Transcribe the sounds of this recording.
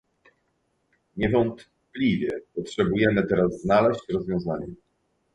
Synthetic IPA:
ɲɛvɔnt̪ | plʲivʲjɛpɔtʂɛbujɛmɘt̪ɛɾazːnalɛɕt͡ɕɾɔzvʲjɔ̃w̃zaɲɛ

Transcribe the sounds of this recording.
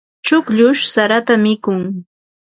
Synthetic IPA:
t͡ʃʊkʎʊʃsaɾat̪amɪkʊŋ

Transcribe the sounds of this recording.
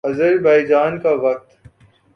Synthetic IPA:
ɐzəɾbaːid͡ʒaːnkaʋɐk̚t̪

